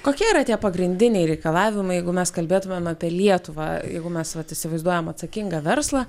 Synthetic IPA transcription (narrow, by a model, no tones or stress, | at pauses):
koːkʲiɛiɾɐt̪ʲiɛpɐɡɾʲɪnʲd̪ʲɪnʲɛɪɾʲɛɪkɐlˠɑːʋʲɪmɐɪjɛɪɡʊmʲɛskɐlʲbʲeːt̪ʊmʲɛmnɐpʲiɛlʲiɛt̪ʊʋɑ̰ːjɛ̰ɪɡʊmʲɛsʋɐt̪ɪsʲɪʋɐɪzd̪uɔjɛmɐt̪sɐkʲɪŋɡɐʋʲɛɾslˠɑː